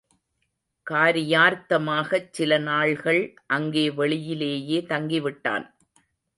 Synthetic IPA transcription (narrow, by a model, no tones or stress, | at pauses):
kaːɾɪjaːɾt̪ɐmaːɣɐt͡ʃsɪlɐnaːɭɣɐɭʔɐŋɡeːʋɛɭɪjɪleːjeːt̪ɐŋɡɪʋɪʈːa̰ːn